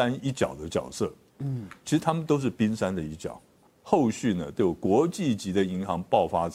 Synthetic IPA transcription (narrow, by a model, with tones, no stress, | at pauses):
a˥ni˥˩t͡ɕjɑ˨˩ʊd̪ə˦t͡ɕjɑ˨˩ʊsɤ˥˩ | t͡ɕt͡ɕʰi˧˥ʂɻ̩˧˩t̪ʰa˥mə˨nt̪o˥ʊʂ̬ɻ̩˥˩pi˥nʂa˥nd̪ə˨i˥˩t͡ɕjɑ̰˨˩˦ʊ | xo˥˧ʊɕy˥˩nə˩t̪o˥˩kwɔ˧˥t͡ɕi˥˩t͡ɕi˧˥d̪ə˧i˧˥ŋxɑ˧˥ŋpɑ˥˩ʊfa˥t͡s